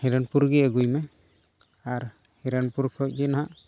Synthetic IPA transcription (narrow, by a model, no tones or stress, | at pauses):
hiɾanpuɾɡɛaɡujmɛ | aɾ | hiɾanpuɾkʰɔc̚ˀd͡ʒɛnaɦaʔ